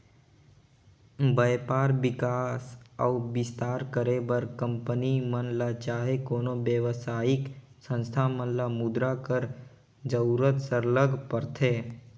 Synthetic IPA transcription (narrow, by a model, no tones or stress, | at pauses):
bəjpaːɾbɪkaːsaʊbɪst̪aːɾkəɾebəɾkə̃mpənimənlat͡ʃaːɦekoːnobjəʋsaːɪk | sə̃nst̪ʰamənlamʊd̪ɾakəɾ | d͡ʒəuɾət̪səɾləɡʱpəɾt̪ʰeː